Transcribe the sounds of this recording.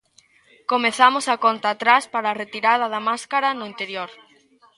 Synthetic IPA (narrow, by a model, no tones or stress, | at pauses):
komeθamosakont̪at̪ɾaspaɾaːret̪iɾaðɐðɐmaskaɾanʊint̪eɾjoɾ